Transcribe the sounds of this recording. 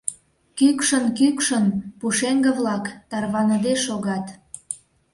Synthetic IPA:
kykʃənkykʃənpuʃeŋɡə̆βlɑkt̪ɑrβɑnəd̪eʃoɣɑt̪

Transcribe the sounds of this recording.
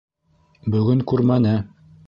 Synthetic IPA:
bɵ̆ɡɵŋkʉɾmænɘ

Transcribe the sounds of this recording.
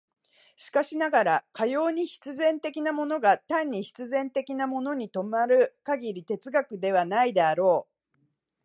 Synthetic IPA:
ɕi̥kaɕinaɡaɾakajo̞ːɲ̟içi̥t͡sɨzẽ̞nt̪e̞kʲinamo̞no̞ɡat̪ãɲ̟ːiçi̥t͡sɨzẽ̞nt̪e̞kʲinamo̞no̞ɲ̟it̪o̞maɾɯ̟kaɡʲiɾʲit̪e̞t͡sɨɡakɯ̟d̪e̞β̞anaid̪eaɾo̞ː

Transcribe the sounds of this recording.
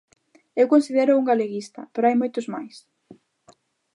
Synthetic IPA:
ewkonsiðeɾʊuŋɡaleɣist̪ɐ̰peɾoajmojt̪ʊzmajs

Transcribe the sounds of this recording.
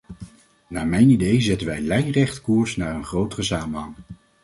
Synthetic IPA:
naːɹmɛjnidejzɛtənʋɛjlɛjrɛχtkuːɹsnaːɹənχrowtərəsaːmənɦɑŋ

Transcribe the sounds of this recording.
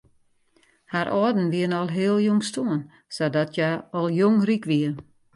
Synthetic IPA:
haɾʔɔːdn̩ʋiənɔlˠɦeəlˠjoŋstuən | sadɔtʰjaɔlˠjoŋrikʋiə

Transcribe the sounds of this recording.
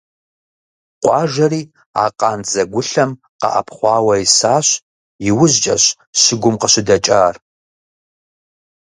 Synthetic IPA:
qʷʼɑːʒɐriː | a̰ːqʼɑːnzɐɡʷʊɬɐm | qɑ̰ʔɐ̰pʰχʷɑːwɐisaːɕ | jɪwʊʑt͡ʃʼɐɕ | ɕɪɡʷʊmqəɕɪdɐt͡ʃʼaːr

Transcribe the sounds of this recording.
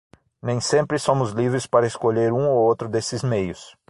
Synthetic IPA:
nẽj̃sẽmpɾɪsõmʊzlivɾɪspaɾɐɪskoʎeɾũowowt̪ɾʊd̪esɪzmejʊs

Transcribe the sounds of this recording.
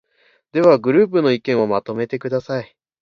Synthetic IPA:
d̪̥e̞βaɡɯ̟ɾɯ̟ːp̬ɯ̟no̞ikẽ̞ɰ̃o̞mat̪o̞me̞t̪e̞kɯ̟d̪asai

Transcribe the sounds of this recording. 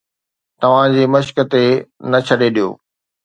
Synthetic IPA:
t̪ɐʋ̤ãd͡ʑeːmɐʃkə̆t̪enɐt͡ɕʰɐɗeɗijo̰ː

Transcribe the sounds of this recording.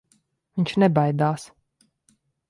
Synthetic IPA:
ɨnʲt͡ʃʰnɛbajd̪aːs

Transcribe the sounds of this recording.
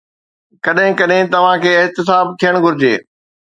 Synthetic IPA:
kɐɗɦɪ̃kɐɗɦɪ̃t̪ɐʋ̤ãkʰeːɪɦt̪ɪs̬aːb̚t̪ʰijəɽ̃ɡʱʊɾɪd͡ʑḛː

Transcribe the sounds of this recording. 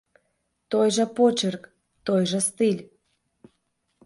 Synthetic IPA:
t̪ojʒə̆pot͡ɕerk | t̪ojʒəst̪ilʲ

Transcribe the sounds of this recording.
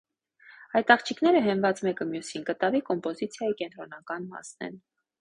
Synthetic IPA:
ɑjt̪ɑχt͡ʃʰiknɛɾəɦɛnvɑt͡smɛkəmjusinkət̪ɑvikɔmpɔzit͡sʰjɑjikɛnt̪ɾɔnɑkɑnmɑ̰snɛ̰n

